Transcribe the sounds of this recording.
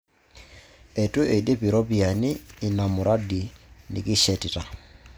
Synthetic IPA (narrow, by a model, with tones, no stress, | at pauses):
e˨tu˦e˨de˦pi˨ɾo˦pi˨a˨nɪː˦˨na˨mʊ˨ɾa˦di˨ni˨ki˦ʃɛ˨ti˨ta˨